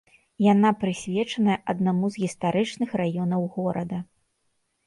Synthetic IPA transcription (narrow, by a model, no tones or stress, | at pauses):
janapɾɨsʲvʲɛt͡ʂɐnɐjɛʔɐd̪̚namuzɣʲist̪aɾɨt͡ʂnɨxrajɔnɐwɣɔɾɐd̪ɐ